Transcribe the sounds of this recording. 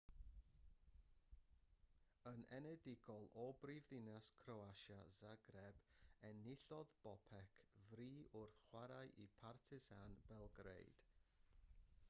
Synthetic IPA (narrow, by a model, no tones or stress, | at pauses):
ənɛnɛdɪɡɔlˠʔɔbrivðɪnaskʰroaʃazaɡrɛbɛnɪɬɔðb̥ɔpʰɛkʰvriːʔʊrθχwaɾajʔipʰartʰɪzanb̥ɛlˠɡrḛjd̥